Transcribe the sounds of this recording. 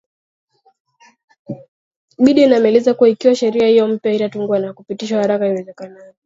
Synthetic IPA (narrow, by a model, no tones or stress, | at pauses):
ɓiɗiːnamɛlɛzakuwaikiwaʃɛɾiahijɔm̩pjaitatuŋɡuwanakupitiʃwahaɾakaiwɛzɛkanavɔ